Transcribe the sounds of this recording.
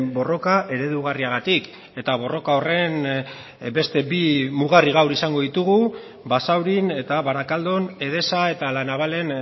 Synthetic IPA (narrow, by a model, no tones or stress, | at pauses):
bo̞ro̞kaʔe̞ɾe̞ðuɣ̞ariaɣ̞at̪ik | e̞t̪aβ̞o̞ro̞kao̞re̞n | be̞st̪e̞bimuɣariɣ̞awɾisaŋɡo̞ðit̪uɣu | basawɾine̞t̪aβaɾakald̪o̞ne̞ð̞e̞sae̞t̪alanaβale̞n